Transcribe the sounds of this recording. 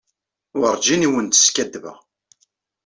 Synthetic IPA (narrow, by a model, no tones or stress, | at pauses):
ʊɾˤd͡ʒiniwənt̪ə̥skæd̪ːvə̰ʁ